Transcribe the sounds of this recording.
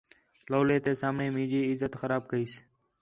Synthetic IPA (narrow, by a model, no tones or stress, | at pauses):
loːleːt̪eːsaːmɳeːmĩːd͡ʒiːɪzət̪xəɾaːb̚kəiːs